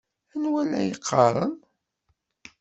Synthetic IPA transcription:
ænwælæ̰jəqʰːɑɾˤən

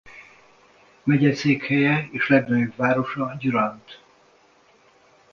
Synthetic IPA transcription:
mɛɟɛseːkhɛjɛeːʃlɛɡnøjobvaːɾo̞ʃɒɟuɾɒnt̪

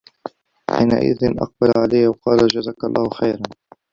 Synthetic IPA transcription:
ħḭːna̰ʔɪ̰ðɪnʔɑ̰q̚balʕalajːawɑqɑːlad͡ʒazaːkalˤːɑːhʊxajɾan

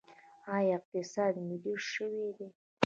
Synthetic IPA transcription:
ɑjɑɪq̚t̪ɪsɑd̪mɪliʃəwed̪e

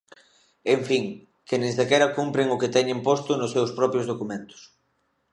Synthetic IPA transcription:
eɱfiŋ | kenẽsðekɛɾɐkumpɾɪŋʊkɪt̪ɛɲɪmpost̪ʊnʊsːewspɾɔpɾjozð̞okumẽnt̪ʊ̥s

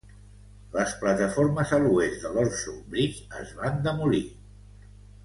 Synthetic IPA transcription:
ləsplət̪əfoɾməzəluezd̪əlɔrsumbɾizə̰zβand̪əmuli

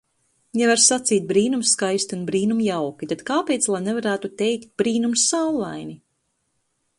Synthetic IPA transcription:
javaɾsat̪siːt̪̚bɾiːnumsːkajst̪iunbɾiːnumjawkʲit̪at̪kaːpejt̪slˠajnɛvaɾæːt̪ut̪ɛjkt̪̚bɾiːnumsːawlˠːajni

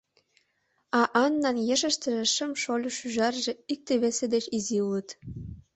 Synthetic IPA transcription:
ɑʔɑnːɑnjĕʃə̆ʃt̪ə̆ɾĕʃə̆mʃolʲuʃyʒɑrʒĕik̚t̪eβesed̪et͡ɕiziulɤ̆t̪

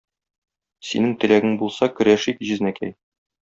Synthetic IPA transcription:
sḭnɘŋt̪ɘ̆læɡɘŋbulˠsɑkɵ̆ɾæʃikʑɘ̆znækæ̰j

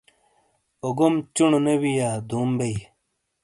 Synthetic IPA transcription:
oɡomt͡ɕuɳnewijaːd̪uːmbej

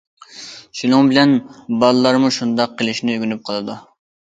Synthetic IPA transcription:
ʃinuŋbɪlɛnbɑlˠɨlˠɑɾmuʃund̪ɑqʰːəlˠɪʃnɪyɡʲynyp̚qʰɑlˠɨd̪u

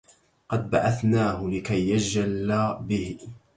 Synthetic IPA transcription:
qɑd̪̚baʕaθnaːhʊlɪkajːad͡ʒalːabɪh

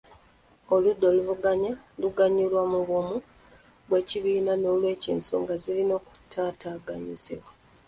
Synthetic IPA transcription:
o̞ludːo̞luvuɡaɲaluɡaɲːulwamuβumu | βwe̞ːciβiːnano̞ːlwe̞ːceːnso̰ŋɡazilino̞ːku̥tʰaːtaːɡaɲiziβwa

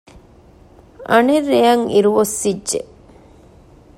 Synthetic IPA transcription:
ʔɐnerːejɐŋḭɾuʋosːidʒḛ

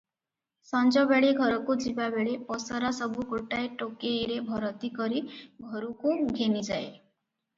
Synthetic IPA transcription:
sɔnd͡ʒɔbeɭeɡʱɔɾɔkud͡ʒibabeɭepɔsɔɾasɔbuɡoʈajʈokejɾebʱɔɾɔt̪ikɔɾiɡʱɔɾukuɡʱenid͡ʒae

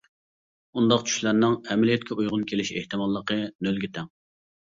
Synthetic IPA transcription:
und̪ɑqt͡ʃʰy̥ʃlæɾnɪŋɛmɪlijɛt̪̚kʲʰɛujʁʊnkʲʰelɪʃḛht̪ɨmɑlˠːəqənølɡʲit̪ʰɛŋ

